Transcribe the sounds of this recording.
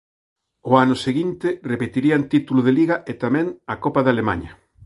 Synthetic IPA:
ʊanʊseɣint̪ɪrepet̪iɾiant̪it̪ulʊðeliɣaʔet̪amɛ̃ŋakopaðalema̰ɲɐ

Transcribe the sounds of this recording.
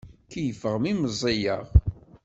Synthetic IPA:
kijəfəʁmiməzˤejəʁ

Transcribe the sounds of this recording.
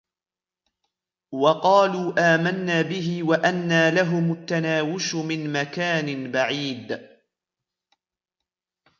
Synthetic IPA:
wɑqɑːluːʔaːmanːaːbɪɦɪwaʔanːaːlaɦʊmat̪ːanaːwʊʃmɪnmakaːnɪnbaʕiːd̪

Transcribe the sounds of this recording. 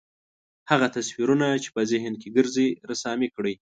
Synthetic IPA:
haɣat̪aswiɾunat͡ʃe̥pəzɪɦɪnkeɡəɾzeɾasɑmekɽəj

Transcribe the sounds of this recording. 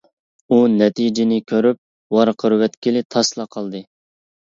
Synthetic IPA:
unɛt̪ʰid͡ʒɪnɪkʲʰøɾyp̚ | wɑɾqʰəɾwɛt̪kʲilɪt̪ʰɑslˠɑqʰɑlˠd̪ɨ

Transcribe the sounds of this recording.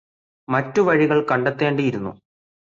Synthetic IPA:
mɐtːuʋɐɻiɣɐɭkɐɳɖet̪ːe̞ːɳɖijiɾunːṵ

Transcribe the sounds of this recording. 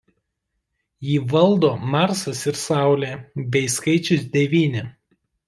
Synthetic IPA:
jiːʋɐlˠd̪oːmɑˑɾsɐsɪɾsɑˑʊlʲeːbʲɛɪskɐɪt͡ʃʲʊsd̪ʲɛʋʲiːnʲɪ

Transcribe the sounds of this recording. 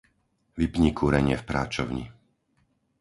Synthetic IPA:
ʋipɲikʰuɾɛɲɪɛfpɾaːt͡ʃɔʊɲḭ

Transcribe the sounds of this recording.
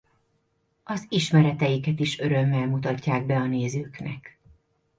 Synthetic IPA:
ɒziʃmɛɾɛt̪ɛjikɛt̪iʃø̞ɾømːɛlmut̪ɒcːaːɡ̚bɛɒneːzøːknɛ̰k

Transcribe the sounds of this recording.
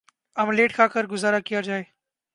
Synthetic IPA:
əmleːʈkʰaːkəɾɡʊzaːɾaːkɪjaːd͡ʒaːeː

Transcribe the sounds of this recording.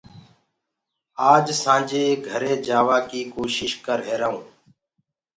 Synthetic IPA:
aːd͡ʒsãːd͡ʒeːɡʱəɾeːd͡ʒaːʋaːkiːkoːʃɪʃkəɾɦeːɾaːũː

